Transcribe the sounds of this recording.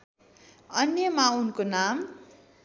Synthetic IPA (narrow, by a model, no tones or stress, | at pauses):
ʌnjʌmaunkonam